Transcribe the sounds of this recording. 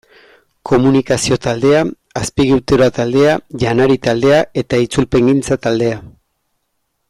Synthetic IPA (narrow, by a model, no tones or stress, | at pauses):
ko̞munikasio̞t̪ald̪e̞a | aspiɣiwt̪eɾoat̪ald̪e̞aʝanaɾit̪ald̪e̞ae̞t̪ait͡sulpe̞ŋɡint͡sat̪ald̪e̞a